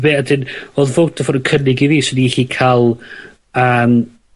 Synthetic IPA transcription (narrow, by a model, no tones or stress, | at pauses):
beːadɪnoðvoːtʰɔfɔɾəkʰənɪɡiviːsɪniχikʰalˠ | əːm